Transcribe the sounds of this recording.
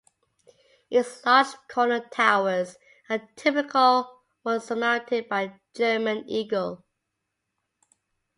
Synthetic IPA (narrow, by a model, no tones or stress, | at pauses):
ɪslɑˑd͡ʒkʰɔnətʰaʊəz | ətʰɪpɪkʰəlˠ | wʌ̃nsəmãʊ̃ntʰɪd̚baɪ | d͡ʒɜːmə̃niːɡəlˠ